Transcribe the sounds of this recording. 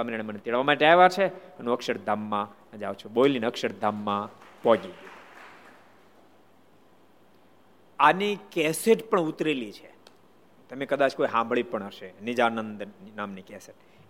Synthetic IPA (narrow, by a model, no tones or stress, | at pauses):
kəmɾañemənet̪eɭʋamaʈeaeʋat͡ʃʰeənũəkʃəɾd̪ʱamːã | d͡ʒaʋt͡ʃʰuɓoilinəkʃəɾd̪ʱamːãpɔɡiɡ | anikɛseʈpəɳut̪ɾelit͡ʃʰe | t̪əmekəd̪at͡ʃkoiɦãmbʱɭipəɳəʃenid͡ʒanənd̪namnikɛseʈ̚